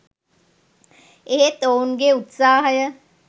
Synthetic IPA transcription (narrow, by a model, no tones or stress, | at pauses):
eɦet̪ounɡeut̪saːɦəjə